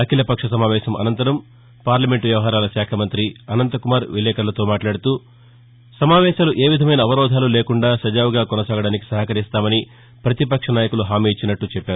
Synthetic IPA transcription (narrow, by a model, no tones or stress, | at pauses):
ɐkʰilɐpɐkʂɐsɐmaːʋɛːʃɐmɐ̰nɐnt̪ɐɾɐm | paːɾlɐme̞ɳʈʋjɐʋɐɦaːɾaːlɐsaːkʰɐmɐnt̪ɾiɐnɐnt̪ɐkumaːɾʋilɛːkɐɾlɐt̪o̞ːmaːʈlaːɽut̪uː | sɐmaːʋɛːʃaːluʔeːʋid̪ʱɐmɐjnɐːʋɐɾɔːd̪ʱaːlule̞ːkuɳɖaːsɐd͡ʒaːʋuɡaːkɔnɐsaːɡɐɽaːniki̥sɐɦɐkɐɾist̪aːmɐni | pɾɐt̪ipɐkʂɐnaːjɐkuluɦaːmiːit͡ʃːinɐʈːut͡ʃɛpːaːɾu